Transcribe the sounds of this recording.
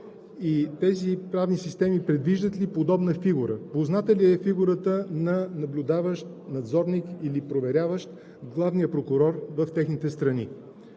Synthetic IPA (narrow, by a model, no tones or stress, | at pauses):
it̪ɛzipɾavnisist̪ɛmipɾɛd̪viʒd̪ət̪lipod̪ɔbnəfiɡuɾə̰poznat̪əliɛfiɡuɾət̪ənɐnɐblʲʊd̪avəʃt̪nɐd̪zɔɾnikilipɾovɛɾʲavəʃt̪ | ɡlˠavnijəpɾokʊɾɔɾvəft̪ɛxnit̪ɛst̪ɾɐni